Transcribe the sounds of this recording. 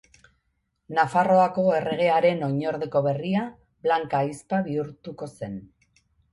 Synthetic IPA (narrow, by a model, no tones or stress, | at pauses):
nafaro̞ako̞e̞re̞ɣ̞e̞aɾe̞no̞ɲo̞ɾðe̞ko̞βe̞ria | βlaŋkaispaβiuɾt̪uko̞se̞n